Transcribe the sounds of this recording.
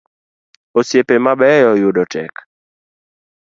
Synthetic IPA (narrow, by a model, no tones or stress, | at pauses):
osjepemabɛjɔjʊdɔtʰɛ̰k